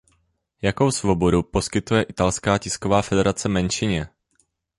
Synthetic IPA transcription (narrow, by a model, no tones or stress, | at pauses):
jako̞wsvo̞bo̞dupo̞skɪt̪ujɛʔɪt̪alskaːcɪskovaːfɛdɛɾat͡sɛmɛnʃɪɲɛ